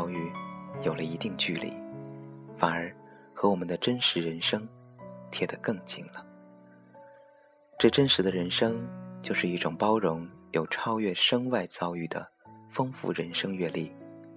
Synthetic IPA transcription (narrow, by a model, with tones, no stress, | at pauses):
ʊy˥˩jo˨˩ʊlə˦i˧˥t̪i˥˧ŋt͡ɕy˥˧˩lḭ˧˩ | fa˨˩nə˞˧˥ | xɤ˧˥wɔ˨˩mə˦nd̪ə˧ʈ͡ʂə˥nʂɻ̩˧˥ɻə˧˥nʂɤ˥ŋ | t̪ʰjɛ˥˩d̪ə˨kɤ˥˩ŋt͡ɕi˥˩ŋlə˦ | ʈ͡ʂɤ˥˩ʈ͡ʂə˥nʂɻ̩˧˥d̪ə˧ɻə˧˥nʂɤ˥ŋt͡ɕjo˥˧ʊʂɻ̩˥˧i˥˩ʈ͡ʂʊ˨˩ŋpɑ˥ʊɻʊ˧˥ŋjo˨˩ʊʈ͡ʂʰɑ˥ʊɥɛ˥˩ʂɤ˥ŋwa˥˩ɪt͡sɑ˥ʊy˥˩d̪ə̰˩fɤ˥ŋfṵ˥˩ɻə˧˥nʂɤ˥ŋɥɛ˥˧li˥˩